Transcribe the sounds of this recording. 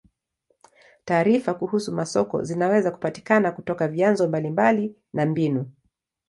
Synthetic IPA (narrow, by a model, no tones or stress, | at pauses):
taːɾifakuhusumasɔkɔ̰zinawɛzaku̥pati̥kanakutɔkavianzɔmbalimbali | nambinu